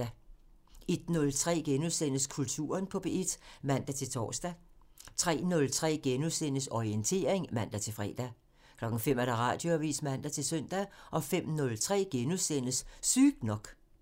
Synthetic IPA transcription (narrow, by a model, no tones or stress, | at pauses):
æ | e̝d̥nɔ̽lt͡sʰʁɛ̰ːɡ̥enuðˠsen̰əskʰult͡sʰṵːɐnpʰɒ̽b̥eed̥mæn̰d̥æt͡sʰe̝lt͡sʰɒ̰ːsd̥æ | t͡sʰʁɛ̰ːnɔ̽lt͡sʰʁɛ̰ːɡ̥enusen̰əsɒient͡sʰe̝̰ːɐe̝ŋmæn̰d̥æt͡sʰe̝lfʁɛ̰ːd̥æ | kʰlɒ̽ɡ̥n̩fem̰æɾ̥æʁɑ̈ːd̥jo̝æʋḭːsmæn̰d̥æt͡sʰe̝lsœn̰d̥æʔɒ̽fem̰nɔ̽lt͡sʰʁɛ̰ːɡ̥enuðˠsenəsːyːɡ̥nɒ̽ɡ̥